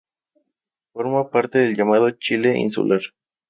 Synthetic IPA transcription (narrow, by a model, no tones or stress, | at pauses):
foɾmapaɾt̪eðelʝamaðot͡ʃileʔḭnsṵlʔaɾ